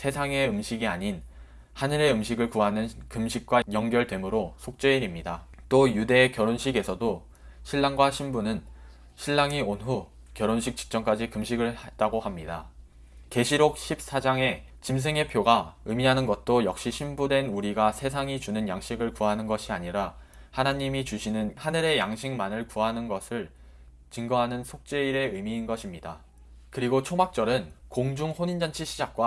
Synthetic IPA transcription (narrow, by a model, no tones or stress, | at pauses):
sʰe̞sʰaŋe̞ɯmɕʰiɡiaɲin | hanɯɾe̞ɯmɕʰiɡɯɭkuɦanɯnkɯmɕʰik̚k͈wajʌŋɡjʌɭdwe̞mɯɾosʰok̚t͡ɕ͈eiɾimɲida | t͈ojude̞ːkjʌɾonɕʰiɡe̞sʰʌdo | ɕʰiɭːaŋɡwaɕʰimbunɯn | ɕʰiɭːaŋionɦu | kjʌɾonɕʰik̚t͡ɕ͈i̥k̚t͡ɕ͈ʌŋk͈ad͡ʑikɯmɕʰiɡɯɭhat͈aɡohamɲida | ke̞ɕʰiɾok̚ɕʰip̚s͈ad͡ʑaŋe̞ | t͡ɕims̬ʰeŋe̞pʰjoɡaɯmiɦanɯnɡʌt̚t͈ojʌk̚ɕ͈iɕʰimbudwe̞nuɾiɡasʰe̞s̬ʰaŋit͡ɕunɯnjaŋɕ͈ʰiɡɯɭkuɦanɯnɡʌɕʰiaɲiɾa | hanaɲimit͡ɕuɕʰinɯnhanɯɾe̞jaŋɕʰiŋmanɯɭkuɦanɯnɡʌsʰɯɭ | t͡ɕɯŋɡʌɦanɯnsʰok̚t͡ɕ͈e̞iɾe̞ɯmiːnɡʌɕʰimɲida | kɯɾiɡot͡ɕʰomak̚t͡ɕ͈ʌɾɯnkoŋd͡ʑuŋhoɲind͡ʑant͡ɕʰiɕʰid͡ʑak̚k͈wa